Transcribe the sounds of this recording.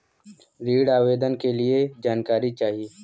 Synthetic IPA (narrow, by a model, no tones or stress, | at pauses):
ɾiːɽaːʋeːd̪ənkelied͡ʒaːnkaːɾit͡ʃaːɦieː